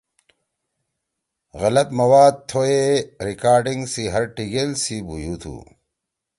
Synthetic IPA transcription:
ɣɐlɐt̪mɐwaːd̪̚t̪ʰoeɾikaːɾɖiŋɡsiɦɐɾʈiɡelsibujuːt̪ʰṵ

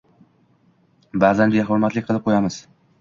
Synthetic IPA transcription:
baːzanbeɦʊɾmat̪lɪk̚ʲqʰɨlˠɪp̚qʰojamɪz̥

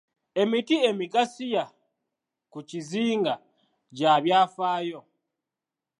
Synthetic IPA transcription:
e̞mitie̞miɡasija | kuciziːŋɡa | ɟaβjaːfaːjo̞

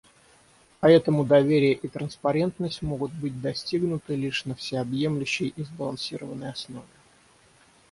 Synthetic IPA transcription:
pɐɛt̪əmʊd̪ɐvʲeɾʲɪjəʔit̪ɾənspɐɾʲe̞nt̪nəsʲtʲmo̞ɡʊt̪̚bɨt̚ʲd̪ɐsʲtʲiɡnʊt̪ɨlʲiʂnəfsʲɪɐbje̞mlʲʉɕːɪjizbəlˠɐnsʲiɾəvənːəjɐsno̞vʲɪ

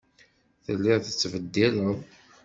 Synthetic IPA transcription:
θəlːɪʁθət͡sːvəd̪ːiləð

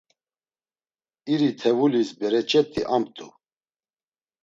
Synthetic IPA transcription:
iɾit̪ʰɛvulisbɛɾɛt͡ʃʼɛt̪ʼiʔamt̪ʼu

